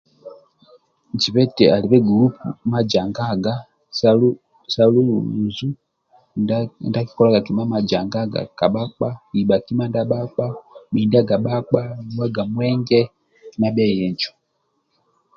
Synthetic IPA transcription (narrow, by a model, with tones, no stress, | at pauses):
d͡ʒi˨βɛ˦tɛ˨a˨li˨βɛ˦ɡu˨lu˦pu˨ma˦d͡ʒa˨ŋɡa˦ɡa˦ | sa˦lu˦˨u˨zu˦ | nda˦ki̥˦kɔ˦la˦ka˨ki˨ma˦ma˨d͡ʒa˨ŋɡa˦ɡa̰˨ka˨ɓa˦k͡pa˦i˨ɓa˨ki˦ma˦nda˦ɓa˦k͡pa˦mi˨nda˦ɡa˨ɓa˦k͡pa˦ni˦wa˦ɡa˨mwɛ˦ŋɡɛ˦ | na˦bja˦˨jɛ˨ɲt͡ʃɔ̥˨